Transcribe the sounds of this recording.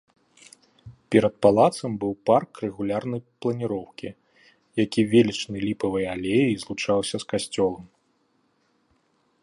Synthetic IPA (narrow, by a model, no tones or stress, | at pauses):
pʲɛɾɐt̪̚palˠat̪sɐmbɨwparkrɛɣulʲarnɐjplˠɐnʲiɾɔwkʲi | jakʲivʲelʲit͡ʂnɨlʲipɐvɨjalʲejizlˠut͡ʂawsʲɐskasʲt͡sʲɔlˠɐm